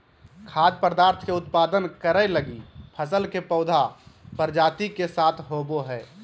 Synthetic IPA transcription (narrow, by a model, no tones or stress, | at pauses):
kʰaːd̪̚pəɾd̪aːɾt̪ʰkeʊt̪paːd̪ənkəɾɛləɡipʰəsəlkepɔʊd̪ʱapəɾd͡ʒaːt̪ikesaːt̪ʰɦoːboɦɛː